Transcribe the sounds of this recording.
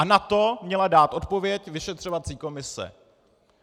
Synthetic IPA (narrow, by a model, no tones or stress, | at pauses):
ʔanat̪o̞mɲɛladaːt̪ʔo̞t̪̚po̞vjɛcvɪʃɛt̪r̝̥ovat͡siːko̞mɪsɛ̰